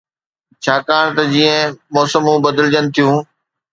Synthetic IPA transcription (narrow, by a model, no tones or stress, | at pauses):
t͡ɕʰaːkaːɽ̃t̪ɐd͡ʑiːə̃mɔːsəmũːbɐd̪əld͡ʑənɪ̆t̪ʰijũː